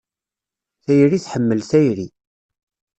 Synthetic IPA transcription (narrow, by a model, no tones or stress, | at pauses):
θæjɾiθħəmːəlθæjɾi